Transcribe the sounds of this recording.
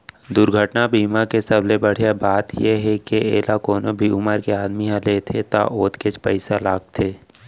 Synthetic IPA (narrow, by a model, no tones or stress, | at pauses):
d̪ʊɾɡʱəʈnabiːmakesəbʱlebəɽ̤jabaːt̪jeɦɛkeḛːlakoːnobʱiʊməɾkeaːd̪miɦãleːt̪ʰet̪a̰ʔoːt̪ket͡ʃpəɪsalaːɡ̚t̪ʰeː